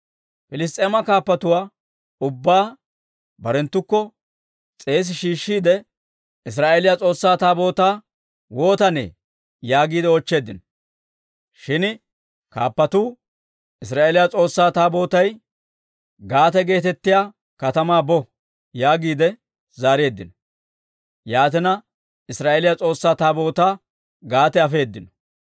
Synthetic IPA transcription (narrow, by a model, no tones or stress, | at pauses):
pɪlɪs̬t̪ʼeːmɐkaːpːɐt̪ʊwaː | ʊbːaː | bɐɾɛnt̪ːʊkːɔ | t͡sʼe̞ːs̬ɪʃiːʃːiːd̪ɛ | ɪs̬ɾaːʔeːlɪjat͡sʼo̞ːsːaːt̪aːbo̞ːt̪aː | wo̞ːt̪ɐnḛː | jaːɡiːd̪ɛɔt͡ʃːe̞ːd̪ɪn | ʃɪn | kaːpːɐt̪uː | ɪs̬ɾaːʔeːlɪjat͡sʼo̞ːsːaːt̪aːbo̞ːt̪ɐj | ɡaːt̪ɛɡe̞ːt̪ɛt̪ːɪjaː | kɐt̪ɐmaːbɔ | jaːɡiːd̪ɛ | zaːɾe̞ːd̪ːɪnɔ | jaːt̪̬ɛnɐ | ɪsɾaːʔelɪjat͡sʼo̞ːsːaːt̪aːbo̞ːt̪aː | ɡaːt̪ɛɐfe̞ːd̪ːɪnɔ̥